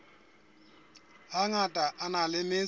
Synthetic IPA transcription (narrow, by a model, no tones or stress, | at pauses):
ɦaŋatʼaʔanalɪmɪ